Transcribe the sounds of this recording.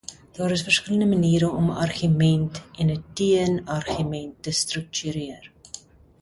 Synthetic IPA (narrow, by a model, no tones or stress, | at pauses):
d̥ɑːɾəsfərskələndəməniːɾəɔməʔɐrχymɛntʔɛnətiənɐrχymɛntːəstrək̚tyɾiər